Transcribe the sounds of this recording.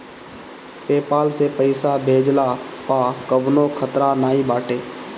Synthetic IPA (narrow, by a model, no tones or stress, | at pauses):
peːpaːlseːpəɪsaːbʱeːd͡ʒlaːpaːkəbnoːkʰət̪ɾanaːĩːbaːʈeː